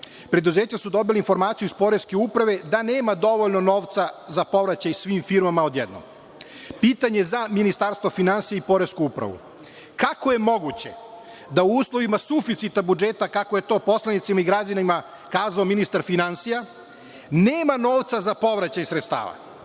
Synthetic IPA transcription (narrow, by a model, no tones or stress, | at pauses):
pɾe̞d̪uze̞ːt͡ɕasud̪o̞bileinfo̞ɾmaːt̪sijuispo̞ɾe̞skeupɾaʋe̞d̪ane̞ːmad̪o̞ʋoʎno̞no̞ːʋt̪sazapo̞ʋɾat͡ɕajsʋiːmfiɾmamao̞d̪jed̪no̰m | piːt̪aɲe̞zaminist̪aɾst̪ʋofinansijaipo̞ɾeskuupɾa̰ʋṵ | kakoje̞mo̞ɡut͡ɕe̞̰ | d̪auuːslˠo̞ʋimasufit̪sit̪abud͡ʒeːt̪akako̞je̞t̪o̞ːpo̞slanit̪simaiɡɾad͡ʑanima | kaːzaominist̪aɾfinansija | neːmano̞ːʋt̪sazapo̞ʋɾat͡ɕajsɾet̪st̪a̰ːʋa̰